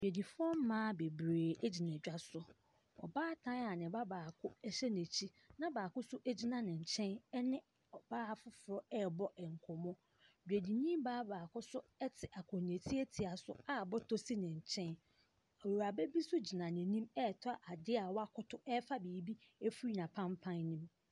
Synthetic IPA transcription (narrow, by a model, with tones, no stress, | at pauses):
bᶣe˨di˨fʊ˦ɔ˦m̩˦mãː˦be˨bɾeː˨ɛ˦d͡ʑi˨nɛ̃˨d͡ʑᶣa˦sʊ˨ | ɔ̰˨baː˦tʰã˦a˨nɪ̃˨ba˦baː˨kʰʊ˦ɛ˦ɕɛ˦ne˨t͡ɕʰi˦ | nã˦baː˨kʊ˦sʊ˦ʔe˦d͡ʑi˦nã˦nɪ̃˨ɲ̩˨t͡ɕʰɛ̃˦n˦nɪ̃˦ | ɔ˨baː˦˨fʊ˦fʊ˨ɾɔ˦ɛ˦bɔ˦ɛ˨ŋ˨kʰɔ˨mɔ̃˦ | dᶣe˨di˨ɲĩ˦baː˦baː˨kʰʊ˦sʊ˦ɛ˦tʰɪ˨ʔa˨kʰɔ̃˨n˨e˨tʰi˦e˦tʰi˨a˨sʊ̰˦a˦˨bɔ˦tʰo˦si˦nɪ̃˨ɲ̩˨t͡ɕʰɛ̃˦n | a˨wo˨ɾa˨bɛ˦bi˦sʊ˦d͡ʑi˨nã˨nɪ̃˨nĩ˦mɛ˦˨tʰʊ˦a˨ʔa˨dɪ˦a˨wa˦kʰʊ˦tʰʊ˦ɛ˦fa˦biː˨˦bi˦e˦fu˦i˦nã˨pʰã˦mpʰã˦nːĩ˦m